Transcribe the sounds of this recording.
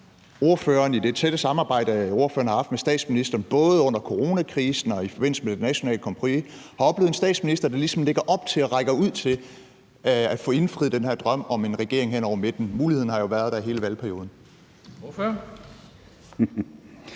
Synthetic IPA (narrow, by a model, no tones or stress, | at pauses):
o̝ɐføːɐnid̥e̝t͡sʰed̥əsɑ̈mɑ̈ːb̥ɑ̈ɪ̰ɾ̥əo̝ɐfø̰ːɐn̩hɑ̈ɑ̈fd̥mesd̥ɛ̰ːd̥sminisd̥ɐːnb̥ɔ̽ːðˠəɔ̽n̰ɐkʰoʁo̝ːnækʰʁiːsn̩ɒ̽ifɒb̥e̝n̰l̩səmed̥enæɕo̝nɛ̰ːləkʰɒ̽mpʰʁoi | hɑ̈ɒ̽b̥leð̩ˠensd̥ɛ̰ːd̥sminisd̥ɐd̥ɑ̈lisɒ̽mle̝ɡ̥ɐʔɒ̽b̥t͡sʰe̝lɒʁɑ̈ɪɡ̥ɐuð̞̰ˠt͡sʰe̝l | æd̥fɔ̽ːe̝nfʁið̞̩ˠd̥enhæɐ̰d̥ʁɶm̰ɒ̽me̝nʁɛɡ̥e̝ɐ̰e̝ŋɦen̰ɒ̰ʊ̰ɐmed̥n̩muːlihe̝ð̞̰ˠn̩hɑ̈jo̝ʋæɐð̞ˠd̥æiɦe̝ːləʋælpʰæɐio̝ːð̞ˠn̩ | føɐ